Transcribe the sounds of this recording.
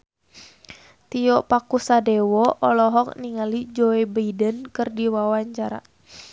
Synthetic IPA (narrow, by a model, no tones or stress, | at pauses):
t̪iɔʔpakusadɛwɔʔɔlɔɦɔk̚niŋalid͡ʒɔɛbəidənkɨrdiwawaɲt͡ʃaɾa̰